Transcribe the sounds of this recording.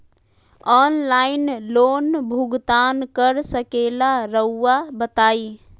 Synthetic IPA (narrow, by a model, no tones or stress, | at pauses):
ɔːnlaːɪnloːnbʱuɡt̪aːnkəɾsəkeːlaɾəuːabət̪aːiː